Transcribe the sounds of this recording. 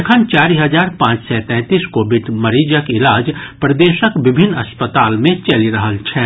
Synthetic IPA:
kʰənt͡ʃaːɾiɦəd͡ʒaːɾpãːt͡ʃsɛt̪ɛ̃ːt̪iːskoːbɪʈmɐɾiːd͡ʒəkɪlaːd͡ʒpɾɐd̪eːʃəkʋɪbʱɪnːɐspət̪aːlmẽt͡ʃɐliɾɐɦəlt͡ʃʰɛː

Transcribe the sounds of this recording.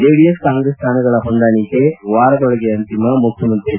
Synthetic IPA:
eːɽijɐskaːŋɡɾest̪ʰaːnɐɣɐɭɐpɔɳɖ̪aːnikːeʋaːɾɐk̪ɔɭɐɣeɐnt̪imɐmʊkʰjɐmɐnt̪ɾi

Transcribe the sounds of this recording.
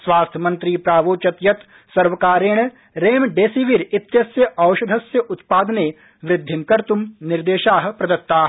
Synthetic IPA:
sʋaːst̪ʰmɐ̃nt̪ɾiːpɾaːʋoːt͡ʃɐt̪jɐt̪ | sɐɾʋɐkaːɾeːɳ̃ | ɾeːmɖeːsiʋiɾɪt̪jɐsjəʔɐːʊʃɐd̪ʱɐsjəʔʊt̪paːd̪neː | ʋɾɪd̪ʱːɪnkɐɾt̪umnɪɾd̪eːʃaːɦpɾɐd̪ɐt̪ːaːɦ

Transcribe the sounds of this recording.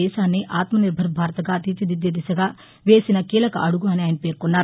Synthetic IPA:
ɛːʃaːnːiʔaːt̪mɐniɾbʱɐɾbʱaːɾɐt̪ɐɡaːt̪it͡ʃid̪id̪jɐd̪isɐɡaː | ʋe̞ːsinɐkiːlɐkɐʔɐɽuɡuɐniaːjɐnɐpe̞ːɾkunːaːɾu

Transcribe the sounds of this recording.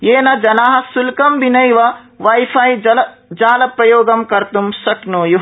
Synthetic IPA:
jeːnɐd͡ʒɐnaːɦɐ̆sulkɐmbinɐjʋɐ | ʋajpʰaːjɐl | d͡ʒaːlɐpɾɐjoːɡɐmkɐɾt̪umsɐknoːju

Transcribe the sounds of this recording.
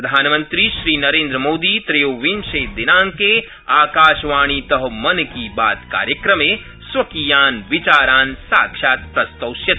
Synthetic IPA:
ɾɐd̪ʱaːnmɐ̃nt̪ɾiʃɾiːnɐɾẽːnd̪ɾəmoːd̪iːt̪ɾeːoʋinʃeːd̪ɪnaːŋkeː | aːkaːʃʋaːɳ̃it̪ɐɦɐmɐnkiba̰ːt̪ka̰ːɾjɐkɾɐmeː | sʋɐkiːjaːnʋɪt͡ʃaːɾaːnsa̰ːkʃaːt̪̚pɾɐst̪ɐwʃjɐt̪

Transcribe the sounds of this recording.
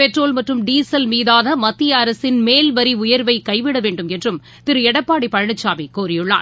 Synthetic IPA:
pɛʈroːlmɐʈrɯmɖiːsɐlmiːðaːɣɐmɐt̪ːɪjaɐɾɐsɪnmeːlʋɐɾiʊjɐɾʋɐɪkɐɪʋɪɽɐʋeːɳɖɯmɛndrɯm | t̪ɪɾɯɛɽɐpːaːɽipɐɻɐɳɐt͡ʃːaːmikuːɾɪjɯɭːa̰ːn

